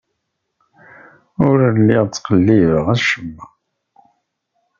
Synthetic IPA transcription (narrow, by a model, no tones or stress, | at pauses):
ʊɾəlːiʁt͡sːqəlːivəʁæʃəmːə